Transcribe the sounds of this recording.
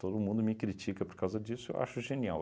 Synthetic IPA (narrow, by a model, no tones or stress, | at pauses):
t̪od̪ʊmũnd̪ʊmɪkɾit͡ʃikɐpoɾkawzɐd͡ʒisʊḛwʔa̰ʃʊʒenia̰w